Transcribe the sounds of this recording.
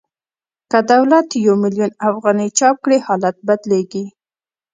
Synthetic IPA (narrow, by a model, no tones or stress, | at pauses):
kəd̪awlat̪jawmɪljunafɣɑnijt͡ʃɑp̚kɽehɑlat̪̚bad̪leɡi